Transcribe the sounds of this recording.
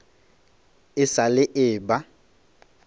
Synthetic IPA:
ɪsalɪʔɪːba

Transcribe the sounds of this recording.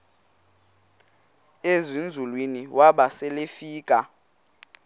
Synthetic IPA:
ezind͡zʱulwiniwʔaɓasɛlefiːkʼa

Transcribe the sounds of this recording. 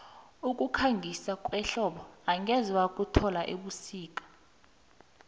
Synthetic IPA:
ukʼukʰaŋɡʱisakʼwɛɬɔɓɔaŋʱɛzwakʼutʰɔlaʔeɓusiːkʼḁ

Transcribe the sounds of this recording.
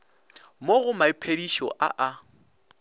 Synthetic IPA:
moɣʊmaɪpʰediʃɔ̰ʔa̰ʔa

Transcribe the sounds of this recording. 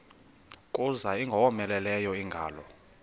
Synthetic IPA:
kʼuzaiŋɡʱɔwɔmɛlɛlɛjɔiŋɡʱa̰ːlɔ

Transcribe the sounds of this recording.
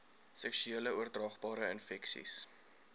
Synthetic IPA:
sɛksyeːləuərdrɑːχbɑːɾəənfɛksḭs

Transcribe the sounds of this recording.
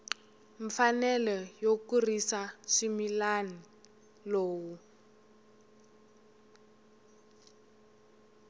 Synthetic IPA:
ɱ̩fanɛlɔjokurisaʃimilani | loːwu

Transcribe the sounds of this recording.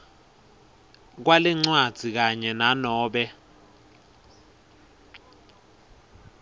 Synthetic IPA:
k̬walɛŋ͡ǀwad̥z̥ʱik̬aɲɛnanɔːɓɛ

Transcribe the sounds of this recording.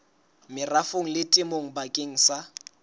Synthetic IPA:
mɪrafoŋ̩lɪtʼɪmoŋ̩bakʼeŋ̩sa

